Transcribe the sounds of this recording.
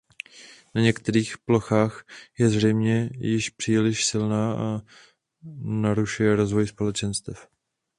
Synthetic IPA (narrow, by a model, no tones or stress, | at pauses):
naɲɛkt̪ɛɾiːxplo̞xaːxjɛzrɛjmɲɛjɪʃpr̥iːlɪʃsɪlnaːʔa | naɾuʃujɛɾo̞zvo̞jspo̞lɛt͡ʃɛnst̪ɛf